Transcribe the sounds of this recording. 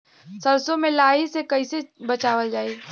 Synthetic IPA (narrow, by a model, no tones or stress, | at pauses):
sɐɾsõmẽlaːɦisekɐisebɐt͡ʃaːʋəld͡ʒaːiː